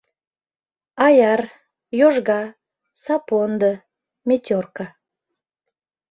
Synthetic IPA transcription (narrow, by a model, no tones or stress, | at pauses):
ɑjɑr | joʒɣɑ | sɑpond̪ə | mʲetʲorka